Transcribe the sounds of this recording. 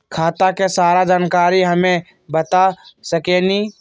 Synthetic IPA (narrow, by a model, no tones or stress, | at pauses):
kʰaːt̪akesaːɾad͡ʒaːnkaːɾiɦɐmẽ | bət̪asəkeniː